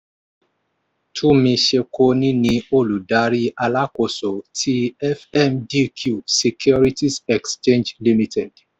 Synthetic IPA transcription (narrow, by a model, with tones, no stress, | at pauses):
tʰũ˦mĩ˧ʃe˧ko˧nĩ˦nĩ˧o˦˨lu˨da˨˦ɾi˦ʔa˧la˦ko˨so˨tʰi˦ɛ˦fɛ˦mdi˦kʰju˨se˨kʰjɔ˦ɾi˦ti˦sɛ˨kst͡ʃẽ˦nd͡ʒli˦mi˨tɛ˨d̥